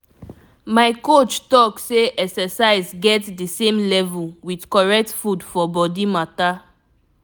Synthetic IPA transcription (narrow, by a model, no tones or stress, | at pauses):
maɪkot͡ʃtɔkseʔɛksɛsaɪzɡɛtdisẽmlɛvulwidkɔɹɛk̚tfudfɔbɔdimata